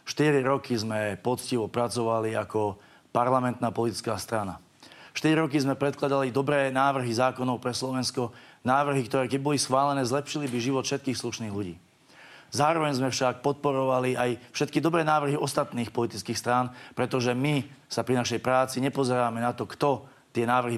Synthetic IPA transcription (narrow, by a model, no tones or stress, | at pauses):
ʃt̪iɾiɾɔkʰizmɛpɔt͡sciʋɔpɾat͡sɔʋaliakɔ | paɾlamɛnt̪naːpɔlit̪i̥t͡skaːst̪ɾana̰ | ʃt̪iɾiɾɔkizmɛpɾɛt̪klad̪alid̪ɔbɾɛːnaːʋr̩ɦizaːkɔnɔʊpɾɛslɔʋɛnskɔnaːʋr̩ɦikt̪ɔɾɛːkɛɟ̚bɔlisxʋaːlɛnɛːzlɛpʃilibiʒiʋɔt̪fʃɛt̪̚kiːxsluʃniːɣʎuɟḭː | zaːɾɔʋɛɲzmɛfʃak̚pɔt̪̚pɔɾɔʋaliajfʃɛt̪kid̪ɔbɾɛːnaːʋr̩ɦiɔst̪at̪niːxpɔlit̪it͡skiːxst̪ɾaːnpɾɛt̪ɔʒɛmisapɾinaʃɛjpɾaːt͡siɲɛpɔzɛɾaːmɛnat̪ɔkt̪ɔ | t̪ɪɛnaːʋr̩ɦi